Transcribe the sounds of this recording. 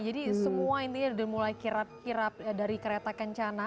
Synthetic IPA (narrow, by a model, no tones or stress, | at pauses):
d͡ʒadisəmuaint̪iɲadimulajkiɾap̚kiɾap̚daɾikəɾet̪akəɲt͡ʃana